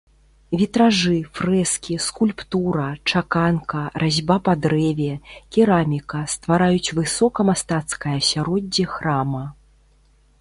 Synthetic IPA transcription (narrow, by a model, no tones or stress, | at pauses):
vʲit̪ɾaʐɨfrɛskʲiskulʲpt̪uɾɐt͡ʂakankɐrʔazʲbapad̪ɾɛvʲɛkʲiɾamʲikɐst̪vaɾajut͡sʲvɨsɔkɐmast̪at̪skɐjɐsʲaɾɔd͡zʲːixramɐ